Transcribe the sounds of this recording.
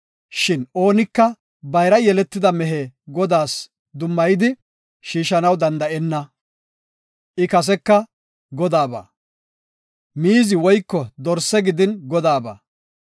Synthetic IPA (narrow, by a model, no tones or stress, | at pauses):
ʃɪno̞ːnɪkːɐ | bɐjɾɐjɛlɛt̪ːɪd̪ɐmɛɦeːɡɔd̪aːs | d̪ʊmːɐjɪd̪ɪ | ʃiːʃɐnɐwd̪ɐnd̪ɐʔɛnːɐ | ʔɪkɐs̬ɛkːɐ | ɡɔd̪aːba̰ː | miːzɪwɔjkːɔd̪ɔɾsːɛɡɪd̪ɪnɡɔd̪aːbɐ̰ː